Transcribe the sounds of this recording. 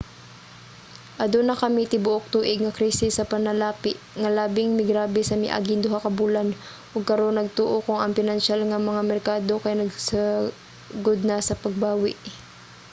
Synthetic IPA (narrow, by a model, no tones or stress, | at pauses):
ʔɐd̪onɐkɐmit̪ɪbʊʔok̚t̪uːʔɪɡ̚ŋɐkɾiːsɪsɐpɐnɐlaːpɪʔŋɐlaːbɪŋmɪɡɾaːbɛsɐmɪ̰ʔa̰ɡɪnd̪ʊɦakɐbuːlan | ʔoɡ̚kɐɾo̞nːɐɡ̚t̪uːʔokʊŋɐŋpɪnɐnʃalŋɐmɐŋamɛɾkaːd̪o̞kɐjanɐɡsɐ | ɡod̪̚nɐsɐpɐɡ̚baːwɪʔ